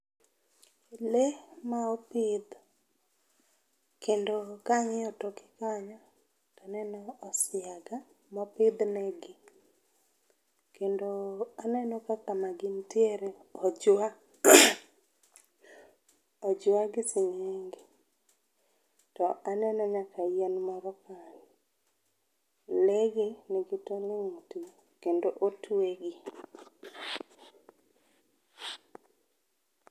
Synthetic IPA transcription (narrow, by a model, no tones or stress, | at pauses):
lemaɔpɪd̪ | kendokaɲɪɔtokɪ̥kaɲɔ | tanɛnɔːsɪaɡa | mɔpɪd̪nɛɡɪ | kendoanɛnɔkakamaɡɪntjeɾe | ɔd͡ʒwa | ɔd͡ʒwaɡɪsɪɲeŋɡe | tɔʔanɛnɔɲakajenmɔɾɔkani | leɡinɪɡɪtɔlɪŋti | kendoʔotweɡi